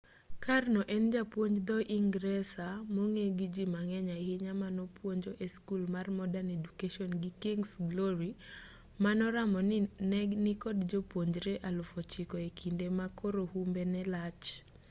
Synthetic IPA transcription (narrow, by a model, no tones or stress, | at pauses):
karnɔʔɛnd͡ʒapwoɲd͡ʒd̪ɔʔiŋɡɾɛsamoŋeɡid͡ʒimaŋɛɲahɪɲamanɔpwoɲd͡ʒoʔeskulmarmɔdanedukeʃɔnɡikiŋɡsɡlɔɾi | manɔɾamɔnnɛɡnɪkɔdd͡ʒopwoɲd͡ʒɾeʔalʊfɔt͡ʃɪkɔekʰindemakoɾohumbenɛlat͡ʃ